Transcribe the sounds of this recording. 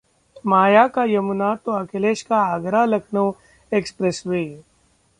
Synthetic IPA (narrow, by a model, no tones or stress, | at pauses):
maːjaːkajɐmʊnat̪oɐkʰeleːʃkaaɡɾalɐkʰnoː | ekspɾesʋeː